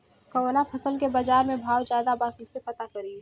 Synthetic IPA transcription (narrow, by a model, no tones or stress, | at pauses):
kəɾoːnapʰɐsəlkebaːd͡ʒaːɾmẽbʱaːwd͡ʒjaːd̪abaːkisexɐt̪akɐɾi